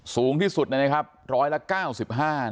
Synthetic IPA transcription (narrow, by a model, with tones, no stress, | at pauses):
suː˩˦ŋt̪ʰiː˥˩su˨˩t̪̚na˧˩na˦˥kʰa˦˥p̚ɾɔː˦˥jla˦˥kaː˥˩wsi˨˩p̚ɦaː˥˩